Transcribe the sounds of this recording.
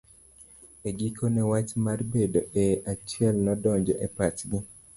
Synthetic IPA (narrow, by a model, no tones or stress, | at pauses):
eɡikʰonɛwat͡ʃmarbedoeʔat͡ʃjɛlnɔdɔɲd͡ʒɔʔɛpatɡɪ